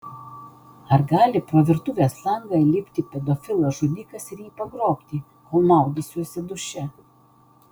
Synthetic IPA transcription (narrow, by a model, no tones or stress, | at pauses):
ɐɾɡɑːlʲɪpɾoːʋʲɪɾt̪ʊːʋʲeːslˠɐŋɡɐlʲɪpʲt̪ʲiːpʲɛd̪ɔfʲɪlˠɐʒud̪ʲiːkɐsɪɾjiːpɐɡɾoːkʲt̪ʲiː | koːlˠmɑˑʊɡ̪ʲɪsʲusʲɛd̪ʊʃʲɛ